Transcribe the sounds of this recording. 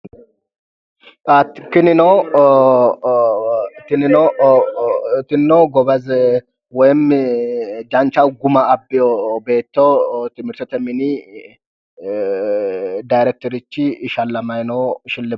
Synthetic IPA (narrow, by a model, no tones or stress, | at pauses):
at̪kɪnɪnɔ | t̪ɪnɪnɔ | t̪ɪnːɔɡɔbɐz | wɔjm | d͡ʒɐnt͡ʃɐwɡʊmɐːbːɪjɔbe̞ːt̪ːot̪ɪmɪɾt̪ɔt̪ɛmɪni | dajɾɛk̚t̪ɔɾɪt͡ʃːɪʃɐlːɐmɐjnɔʃɪlːɪ